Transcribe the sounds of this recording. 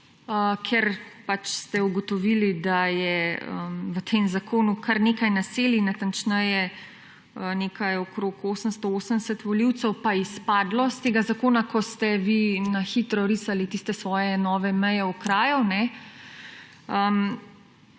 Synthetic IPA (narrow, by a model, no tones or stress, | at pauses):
əkʰɛɾpat͡ʃst̪ɛuɡɔt̪ɔʋilid̪ajɛə̰mʋət̪ʰeːmzakʰoːnukʰaɾneːkajnaseːlinat̪ant͡ʃnɛjɛ | ənekajɔkɾokoːsənst̪ɔoːsənd̪ɛsət̪ʋɔliwt̪sɛwpaispaːd̪lɔst̪eːɡazakoːnakʰɔst̪ɛʋinaxit̪ɾɔɾiːsalit̪ist̪ɛsʋɔːjɛnɔːʋɛmɛjɛukɾaːjunɛ | əm